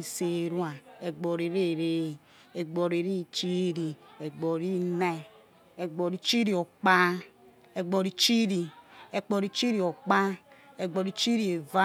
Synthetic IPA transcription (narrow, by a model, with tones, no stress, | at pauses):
se˨ɾwa˨e˨ɡ͡bo˨ɾe˨ɾe˦˨ɾe˦˨ | e˨ɡ͡bo˨ɾe˨ɾi˦˨t͡ʃi˦ɾi˨e˨ɡ͡bo˨ɾi˦ne˦ | e˨ɡ͡bo˨ɾi˨t͡ʃi˦ɾi˨o˨k͡pa˦ | e˨ɡ͡bo˨ɾi˨t͡ʃi˦ɾi˨e˨k͡po˨ɾi˨t͡ʃi˦ɾi˨o˨k͡pa˦ | e˨ɡ͡bo˨ɾi˨t͡ʃi˦ɾi˨e˨va˦